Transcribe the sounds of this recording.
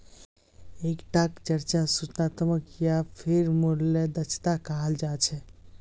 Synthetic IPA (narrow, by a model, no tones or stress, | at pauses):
ekʈakt͡ʃəɾt͡ʃasut͡ʃnat̪əməkjapʰiɾmuɾled̪ət͡ʃʰt̪akaɦəld͡ʒat͡ʃʰɛ